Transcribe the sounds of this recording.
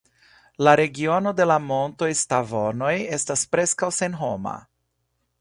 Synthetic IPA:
laɾe̞ɡio̞no̞de̞lamo̞nto̞jstavo̞no̞je̞staspɾe̞skawse̞nɦo̞ma̰

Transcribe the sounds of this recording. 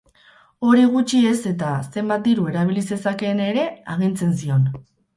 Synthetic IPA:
o̞ɾiɣ̞ut͡ʃie̞se̞t̪ase̞mbat̪̚d̪iɾue̞ɾaβ̞ilise̞sake̞ne̞ɾe̞aɣ̞int͡se̞nsio̞n

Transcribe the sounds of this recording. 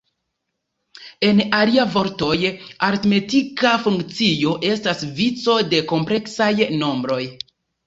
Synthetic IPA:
e̞naliavo̞ɾto̞jaɾtme̞tikafuŋkt͡sijo̞ʔe̞stasvit͡so̞de̞ko̞mple̞ksajno̞mbɾo̞j

